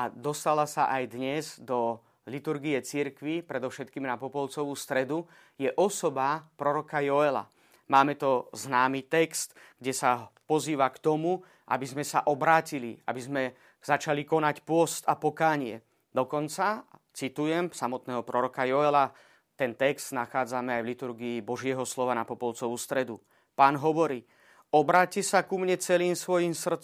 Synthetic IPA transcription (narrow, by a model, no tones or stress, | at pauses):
ad̪ɔst̪alasaʔajd̪ɲɛzd̪ɔ | lit̪uɾɡijɛt͡siɾkʋipɾɛd̪ɔʊʃɛt̪kiːmnapɔpɔlt͡sɔʋuːst̪ɾɛd̪u | jɛʔɔsɔbapɾɔɾɔkajɔɛla̰ | maːmɛt̪ɔznaːmiːt̪ɛkst̪ | ɡ̥ɟɛsapɔziːʋakt̪ɔmu | ʔa̰bizmɛsaʔɔbɾaːcilḭa̰bizmɛ | z̥at͡ʃalikɔnacpʊɔst̪apɔkaːɲɪɛ | d̪ɔkɔnt͡sat͡sit̪ujɛmsamɔt̪nɛːɦɔpɾɔɾɔkajɔɛla | t̪ɛnt̪ɛkst̪naxaːd͡zamɛajʋlit̪uɾɡiːbɔʒɪɛɦɔslɔʋanapɔpɔlt͡sɔʋust̪ɾɛd̪u | paːnɦɔʋɔɾiː | ɔbɾaːcɛsakumɲɛt͡sɛliːmsʋɔjiːmsr̩t͡s